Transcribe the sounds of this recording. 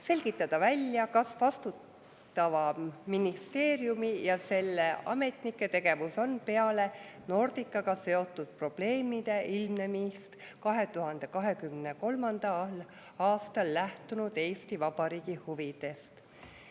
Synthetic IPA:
se̞lʲɡ̥it̪ːˑɑd̪̥ɑvælʲːjɑkɑsvɑst̪uːˑ | ɑvɑminist̪e̞ːɾjumijɑse̞lːe̞ɑ̰me̞t̪nikːˑe̞t̪e̞ɡ̥e̞vuso̞npe̞ɑle̞no̞rd̪̥ikˑːɑɡɑse̞o̞t̪ːˑud̪̥̚pro̞b̥le̞ːmid̪̥e̞ilmne̞mist̪ | kɑɦe̞t̪uɦɑnd̪̥e̞kɑɦe̞kymne̞ko̞lmɑnd̪̥ɑl | ɑːst̪ɑlːæht̪unud̪̥e̞ːst̪ivɑbɑɾiːɡ̥ihuvid̪̥e̞st̪

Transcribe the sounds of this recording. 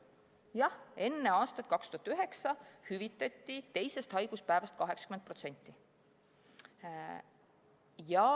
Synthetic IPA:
jɑhe̞nːeɑːst̪ɑt̪̚ˑkɑkst̪uɦɑt̪ːˑyɦe̞ksɑhyvit̪ːˑɑt̪ːit̪e̞jse̞st̪hɑjɡ̥uspæːvɑst̪kɑɦe̞kskymenprot̪se̞nʲt̪ʲːˑi | jɑ

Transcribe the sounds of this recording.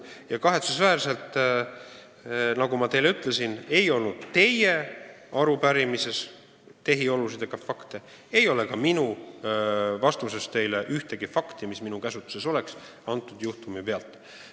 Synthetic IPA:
jɑkɑɦe̞t̪susvæːrse̞lt̪ːˑ | nɑɡ̥umɑt̪e̞jleyt̪ˑle̞sine̞jo̞lnud̪̥t̪e̞je̞ | ɑɾupæɾimise̞s | t̪e̞ɦio̞lusid̪ekɑfɑkt̪e̞ | e̞jo̞le̞kɑminu | vɑst̪use̞st̪e̞jleʔyht̪e̞ɡ̥ifɑkt̪imisminukæsut̪ːˑu̥se̞so̞le̞ks | ɑnt̪ːˑud̪juht̪umipe̞ɑlt̪ːˑ

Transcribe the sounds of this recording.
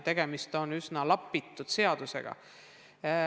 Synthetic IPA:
t̪e̞ɡ̥e̞mist̪o̞nysnɑlɑpːˑit̪ːˑud̪̥se̞ɑd̪̥use̞̰ɡ̥ɑ̰

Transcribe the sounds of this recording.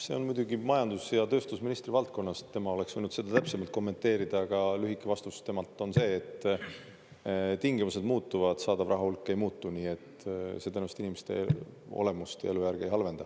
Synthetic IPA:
se̞o̞nmujd̪̥ʲuɡimɑjɑnd̪̥usjɑt̪ø̞ːst̪usminist̪ɾivɑlt̪̚ko̞nːɑst̪e̞mɑo̞le̞ksvɤjnud̪se̞d̪̥ɑt̪æpse̞mɑlt̪̚ko̞mːe̞nt̪ːˑe̞ːɾid̪̥ɑɡ̥ɑlyɦikːˑevɑst̪ust̪e̞mɑlt̪ːˑo̞nse̞ːt̪ːˑ | t̪iŋɡ̥imuse̞d̪muːt̪ːuvɑd̪̥sɑːd̪ɑvrʔɑɦɑulkːˑee̞jmuːt̪ːˑuniːe̞t̪ːset̪ænust̪inimest̪ḛo̞̰le̞must̪jɑ̰e̞lujærɡ̥ejɦɑlve̞nd̪ɑ

